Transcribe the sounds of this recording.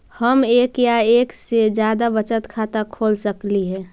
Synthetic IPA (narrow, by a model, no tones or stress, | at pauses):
həmeːkjaeːksed͡ʒjaːd̪abət͡ʃət̪kʰaːt̪akʰoːlsəkliɦɛ̃ː